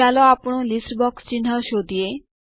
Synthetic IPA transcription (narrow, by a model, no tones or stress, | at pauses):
alɔapɔɽ̃ɔlisʈbɔkst͡ʃin̤ɦɔʃod̪ie